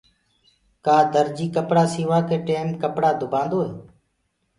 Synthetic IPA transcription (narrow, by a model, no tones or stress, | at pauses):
kaːd̪əɾd͡ʒiːkəpɽaːsiːʋaːkeːʈeːmkəpɽaːd̪ʱʊbʱãːnd̪oːɦeː